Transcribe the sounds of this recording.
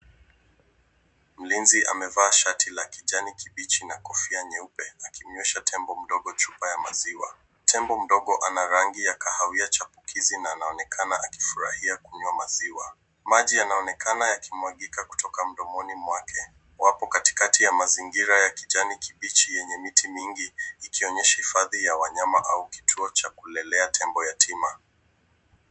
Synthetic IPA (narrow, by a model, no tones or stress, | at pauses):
m̩linziʔa̰mɛvaːʃatilakiʄanikiɓit͡ʃinakɔfiaɲɛupɛakim̩ɲwɛʃatʰɛmbɔm̩ɗɔɠɔt͡ʃupajama̰ziwa̰ | tʰɛmbɔm̩ɗɔɠɔʔanaɾaŋɡijakahawiat͡ʃapukʰizinaːnaɔnɛkʰanaaki̥fuɾahiakuɲwamaziwa | maʄijanaɔnɛkʰanajakimwaɠikaku̥tɔkam̩ɗɔmɔnimwakʰɛ | wapɔkati̥katijamaziŋɡiɾajakiʄanikiɓit͡ʃijɛɲɛmitimiŋɡiːkiɔɲɛʃahifaðijawaɲamaʔauki̥tʰuɔt͡ʃakulɛlɛatʰɛmbɔjatʰima